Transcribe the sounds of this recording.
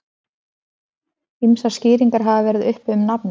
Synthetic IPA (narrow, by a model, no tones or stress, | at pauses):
imsascɪːɾiŋkaɾɦavavɛːɾɪðʏhpʏmnapn